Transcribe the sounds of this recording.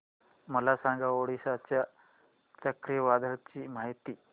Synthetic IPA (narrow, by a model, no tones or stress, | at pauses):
məlasãŋɡaoɽisat͡ɕja | t͡səkɾijəʋad̪ʱəɾt͡ɕiːmaɦit̪iː